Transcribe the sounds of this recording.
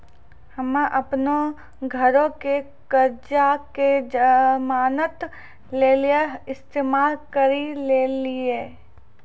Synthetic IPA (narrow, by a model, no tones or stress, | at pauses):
hɐmʔɐpno | ɡʱəɾõke | kəɾd͡ʒaked͡ʒəmaːnət̪ | leːlieɪst̪eːmaːlkəɾileːlieː